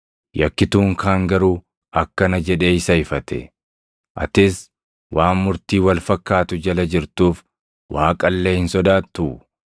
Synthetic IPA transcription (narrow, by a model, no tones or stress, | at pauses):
jɐkːɪt̪uːŋkʰaːŋɡɐɾuː | ɐkːɐnɐd͡ʒɛᶑe̞ːɪsɐɪfɐt̪ɛ̰ | ʔɐ̰t̪ɪs | wʔaːnmʊɾt̪iːwɐlfɐkːaːt̪ʊd͡ʒɐlɐd͡ʒɪɾt̪uːf | waːkʼɐlːeːhɪnsɔd̪aːt̪ːu